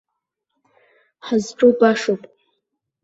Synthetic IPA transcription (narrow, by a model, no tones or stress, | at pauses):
ħazʈ͡ʂʼubaʂopʼ